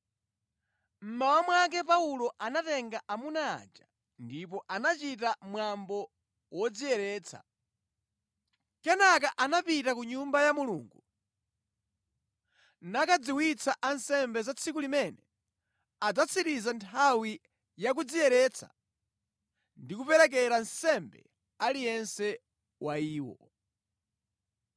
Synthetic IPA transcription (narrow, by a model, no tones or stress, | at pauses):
m̩mawamwak̬ɛp̬aulɔʔanatɛŋɡaʔamuna̰ːd͡ʒa | ndip̬ɔʔanat͡ʃitamwambɔ | wɔd͡zijɛɾɛːt͡sʰa̰ | kɛnakaʔanapitakuɲumbajamulṵːŋɡu | nakad͡ziwit͡sʰaʔansɛmbɛzat͡sʰikulimɛnɛ | ad͡zat͡sʰiɾizantʰawi | jak̬ud͡zijɛɾɛt͡sʰa̰ | ndikupɛɾɛk̬ɛɾansɛmbɛ̰ | alijɛnsɛ | waiːwɔ̰